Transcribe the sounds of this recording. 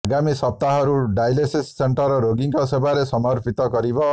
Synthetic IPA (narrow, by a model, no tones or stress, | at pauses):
ɡamisɔp̚t̪aɦɔɾuɖajlesisːeɳʈɔɾɔɾoɡiŋkɔsebaɾesɔmɔɾpʰit̪ɔɡɔɾibɔ